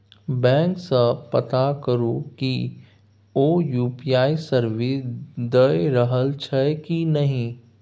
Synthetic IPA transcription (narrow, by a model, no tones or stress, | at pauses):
bɛ̃ːŋksəpət̪akəɾoki | oːjuːpijaːisəɾʋed̪əeɾəɦəlt͡ʃʰɛkinɐɦĩ